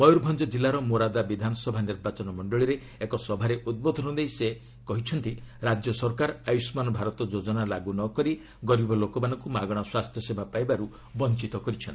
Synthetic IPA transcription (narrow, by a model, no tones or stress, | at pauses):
mɔjuɾbʱɔnd͡ʒɔd͡ʒilːaɾɔmoɾad̪abid̪ʱanɔsɔbʱaniɾbat͡ʃɔnɔmɔɳɖɔɭiɾe | ekɔsɔbʱaɾeʔud̪̚bɔd̪ʱɔnɔd̪ejse | kɔɦit͡ʃʰɔnt̪iɾad͡ʒjɔsɔɾkaɾajusmanɔbʱaɾɔt̪ɔd͡ʒod͡ʒɔnalaɡunɔkɔɾi | ɡɔɾibɔlokɔmanɔ̃ŋkumaɡɔɽ̃ɔswast̪ʰjɔsebʱapajbaɾu | bɔnt͡ʃit̪ɔkɔɾit͡ʃʰɔnt̪i